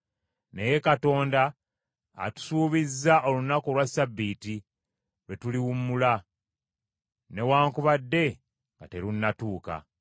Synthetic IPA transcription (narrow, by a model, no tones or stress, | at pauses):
ne̞je̞kato̞ːnda̰ː | tu̥suːβizːaʔo̞lunako̞lwasabːiːti | lwe̞tuliwumːula | ne̞waːŋkuβadːe̞ | ŋɡate̞ɾunːatuːka̰